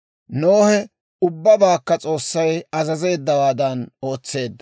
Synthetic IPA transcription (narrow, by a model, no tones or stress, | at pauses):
noːhɛ | ʊbːɐbaːkːɐt͡sʼo̞ːsːɐjɐzɐze̞ːd̪ːɐwaːd̪ɐno̞ːt͡sːe̞ːd̪ːɐ